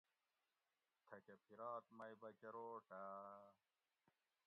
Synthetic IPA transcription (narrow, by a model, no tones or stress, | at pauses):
t̪ʰɐkɐpʰiɾɑːt̪mɐjbɐkɐɾoːʈa